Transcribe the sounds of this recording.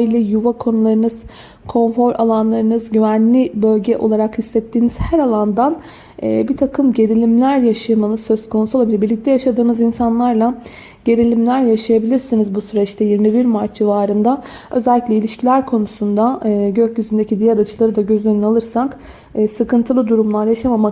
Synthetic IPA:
ilʲɛjuvakʰo̞nulˠaɾɯnɯz̥ | kʰo̞nfo̞ɾʔa̰lˠanlˠaɾɯnɯzɟyvænlʲibø̞lʲɟɛʔo̞lˠaɾakhisːɛt̪ʰːiːniz̥hæɾalˠand̪anː | bit̪ʰakʰɯmɟe̞ɾilʲimlʲæɾjaʃajmanɯzsø̞zkʰo̞nusuolˠabilʲibiɾlʲict̪ɛjaʃad̪ɯːnɯzinsanlˠaɾlˠa | ɟe̞ɾilʲimlʲæɾjaʃajabilʲiɾsinizbusyɾɛt͡ʃt̪ʰɛjiɾmibiɾmaɾt͡ʃd͡ʒivaːɾɯnd̪aø̞zɛlʲːiclʲɛilʲiʃcʰilʲæɾkʰo̞nusund̪aɟøcjyzynd̪e̞cid̪ijaɾat͡ʃʰɯlˠaɾɯd̪aɟø̞zønynalˠɯɾsakː | sɯkɯnt̪ʰɯlˠɯd̪uɾumlˠaɾjaʃamama

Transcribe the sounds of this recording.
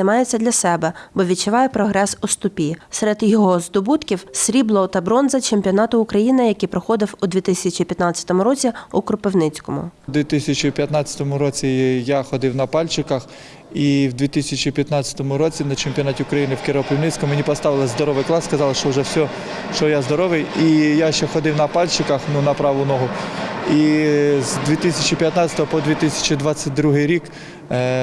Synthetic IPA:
ɐjmɑjet͡sʲːɐd̪lʲɐsɛbɛbɔʋʲit͡ʃːɪʋɑjɛpɾɔɦɾɛsʊst̪ʊpʲisɛɾɛd̪jɔɦɔzd̪ɔbut̪kʲiwsʲɾʲiblˠɔʊt̪ɐbɾɔnzɐt͡ʃemʲpʲiɔnɑt̪ʊʊkɾɐjinɪjɐkipɾɔxɔd̪ɪwʊd̪ʋʲit̪ɪsʲɐt͡ʃipʲjɐt̪nɑt͡sʲːɐ̥t̪ɔmʊɾɔt͡sʲiʊkɾʊpɪwnɪt͡sʲkɔmʊ̰d̪ʋʲit̪ɪsʲɐt͡ʃipʲjɐt̪nɑt͡sʲɐ̥t̪ɔmʊɾɔt͡sʲijaxɔd̪ɪwnɐpɑlʲt͡ʃɪkɐx | iwd̪ʋʲit̪ɪsʲɐt͡ʃipʲjɐt̪nɑt͡sʲːɐ̥t̪ɔmʊɾɔt͡sʲinɐt͡ʃemʲpʲiɔnɑtʲiʊkɾɐjinɪwkɪɾɔpʲɪwnɪt͡sʲkɔmmenʲipɔst̪ɑʋɪlˠɪzd̪ɔɾɔʋɪjklˠɑsskɐzɑlˠɐʃt͡ʃɔʊʒɛsʲɔ | ʃt͡ʃɔjazd̪ɔɾɔʋɪjijaʃt͡ʃɛxɔd̪ɪwnɐpɑlʲt͡ʃɪkɐxnunɐpɾɑʋʊnɔɦʊizd̪ʲʋʲit̪ɪsʲɐt͡ʃɪpʲjɐt̪nɑt͡sʲɐ̥t̪ɔɦɔpɔd̪ʋʲit̪ɪsʲɐ̥t͡ʃid̪ʋɑt͡sʲːɐt̚ʲd̪ɾuɦɪjɾʲik

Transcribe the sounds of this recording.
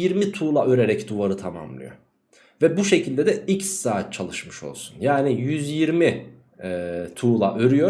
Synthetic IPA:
iɾmit̪ʰuːlˠaʔø̞ɾe̞ɾɛcd̪uvaɾɯt̪ʰama̰mlˠɯ̰jo̞̰ | vɛbuʃe̞cʰilʲd̪ɛd̪ɛicsːaːt̪̚t͡ʃʰalˠɯʃmɯʃo̞̰lˠsunjaːnijyzjiɾmi | ɛt̪ʰuːlˠaʔø̞ɾyjo̞

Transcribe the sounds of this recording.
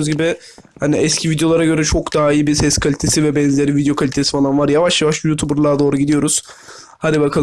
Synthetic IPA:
uzɟibɪ | haniɛscʰivid̪ejo̞lˠaɾaɟø̞ɾɛt͡ʃʰo̞kd̪aːijiːbisɛskʰalʲit̪ʰesivɛbɛnzeɾivid̪jo̞kʰalʲit̪ʰesi̥falˠanvaɾjavaʃjavaʃjuːt̪ʰubuɾlˠad̪o̞ːɾuɟid̪ijo̞ɾuz̥ | had̪ibakʰalˠ

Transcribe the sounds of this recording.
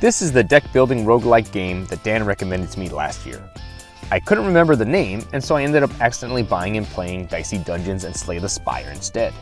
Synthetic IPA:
ðɪsɨzðɨdɛk̚b̥ɪlˠdɪ̃ŋɹoʊɡlaɪk̚ɡ̥ẽɪ̃mðɨt̚d̥æ̃nɹɛkɨmɛ̃ndɨd̚tʰəmitˡlæ̰st̚jɪ̰ɹ | aɪkʰʊdⁿn̩t̚ɹɨmɛ̃mbə˞ðɨnẽɪ̃mɨ̃nsoʊaɪɛ̃ndɨɾʌpæksɨdɛ̃nʔlibaɪɪ̃ŋɨ̃npʰl̥eɪɪ̃ŋdaɪsidʌ̃nd͡ʒɨ̃nzɨ̃nsleɪðəspa̰ɪə̰˞ɨ̰̃nstɛd̥

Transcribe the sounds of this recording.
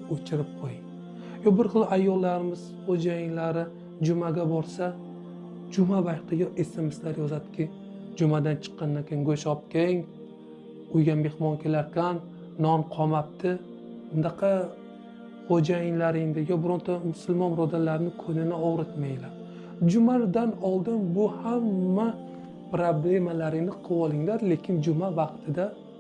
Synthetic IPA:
ot͡ʃʰɪɾɪp̚qʰojɪŋ | jɒbɪɾχɨlˠajːɒlˠːaɾɪmɪz̥χod͡ʒajɪnlaɾɪ | d͡ʒʊmaɡʲabɒɾsa | d͡ʒʊmabajqt̪ʰɪjɒʔe̞se̞meslaɾjɒzad̪ɪ̥kʲɪ | d͡ʒʊmad̪ant͡ʃʰɨ̥qːɑnd̪ankʲʰeɪŋɡɵʃɒp̚kʲʰeŋ | ʊjɡʲanme̞hmɒnkʲʰe̞laɾkʲanː | ɒnqʰɒmap̚t̪ʰɪ | ʊnaqʰɑ | χod͡ʒajɪŋlaɾɪŋd̪ɪjɒbʊɾʊnt̪ʰamʊsʊlmɒnɾɒd̪alaɾnɪkʰɵnɪnɪɒʁɾɪt̪majlaɾ | d͡ʒʊmad̪anɒlˠd̪ɪnbʊhamːa | pɾoble̞malaɾɪnɪqʰɨwɒlˠɪŋlaɾle̞kʲʰɪnd͡ʒʊmavɑqt̪ʰɪd̪a

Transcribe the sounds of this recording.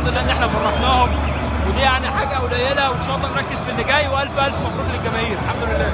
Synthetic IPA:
d̪olelːæʔenːʔeħnæfɑrˤːɑqnæhom | wed̪iːjaʕniħaːɡæʔæwlæjelæwenʃɑʔelˤːɑːmɾˤɑkːezfilːeɡæːjweʔælfʔælfmæbɾuːɡlelɡæmæhiːɾelħamd̪olelːæː

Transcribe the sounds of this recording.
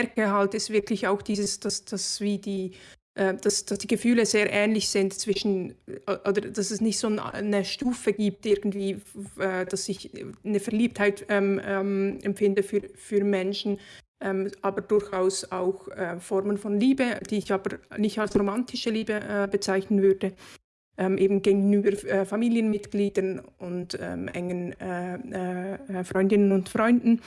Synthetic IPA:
kəɦaltɪstv̥ɪʁklɪçaʊxd̥iːzəsd̥asd̥asv̥iːdiː | ʔɛːd̥asd̥asd̥iːɡ̥əfyːləzeːɐʔɛːnlɪçz̥ɪntt͡sv̥ɪʃn̩ʔoʔoːdəd̥asɛsnɪçtz̥oːn̰nəʃtuːfəɡiːp̚tɪɐɡn̩tv̥iːɛːd̥asɪçnəfɛɐliːp̚thaɪtɛːmɛmʔɛmfɪndəfyːfyːɐmɛnʃn̩ | ʔɛːmʔaːbəd̥ʊɾçaʊsaʊxɛːfɔɾmənfɔnliːbəd̥iːɪçaːbənɪçtalsʁomantɪʃəliːbəʔɛbət͡saɪçnənvʏɾd̥ə | ʔɛmʔeːbn̩ɡeːɡn̩yːbəɾɛːfamiːljənmɪtɡ̥liːdənʊntɛ̰mʔɛ̰ŋənɛɛfʁɔʏndɪnənʊntfʁɔʏndn̩

